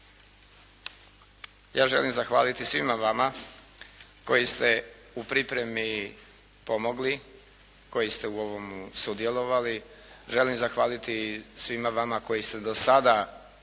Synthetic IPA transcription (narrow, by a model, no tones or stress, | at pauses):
jaːʒe̞limzaxʋa̰ːlit̪isʋimaʋama | ko̞jist̪e̞ | upɾipɾe̞mi | po̞moɡli | ko̞jist̪e̞uo̞ʋo̞musud̪je̞lˠo̞ʋali | ʒe̞limzaxʋaːlit̪isʋimaʋamako̞jist̪e̞d̪osad̪a